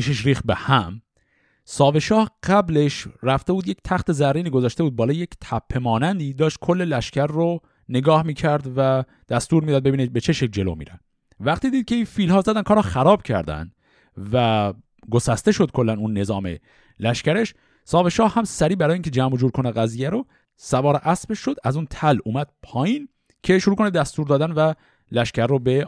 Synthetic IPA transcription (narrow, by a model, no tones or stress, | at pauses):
piʃeʃɾiːxt̪̚behæm | sɒːve̞ʃɒːhɢæbleʃræft̪e̞buːd̪ject̪ʰæxt̪e̞zæɾːiːniːɡo̞zɒːʃt̪e̞buːd̪̚bɒːlɒːjecʰt̪ʰæpʰːe̞mɒːnænd̪iːd̪ɒːʃt̪̚kʰolːe̞læʃcʰæɾːo | ne̞ɡɒːhmiːcʰæɾd̪væ | d̪̥æst̪uːɾmid̪ɒːd̪̚be̞biːnebet͡ʃʰe̞ʃekld͡ʒe̞lo̰mḭːɾæ̰ | væqt̪iːd̪iːd̪̥̚kcʰe̞infiːlhɒːzæd̪ænkʰɒːɾɒxæɾɒːb̥̚cʰæ̰ɾd̪æ̰nd̪̥ | væ | ɡo̞sæst̪e̞ʃod̪̚kʰo̞lːænunːe̞zɒːmḛ | læʃcæɾe̞ʃ | sɒːbeʃɒːhːæmsæɾiːbæɾɒːjiːŋcʰed͡ʒæmbod͡ʒuːɾkʰo̞næɣæziːjæɾo | sævɒːɾʔæsbeʃːo̞d̪æzunt̪ʰæluːmæd̪̥̚pʰɒːjiːn | cʰeʃoɾuːkʰo̞ned̪æst̪uːɾd̪ɒːd̪ænvæ | læʃcæɾːobe̞